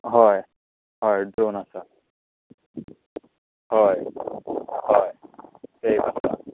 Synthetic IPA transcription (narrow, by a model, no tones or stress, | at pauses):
ɦɔj | ɦɔjdɹonasa | ɦɔj | hɔjsejbasa̰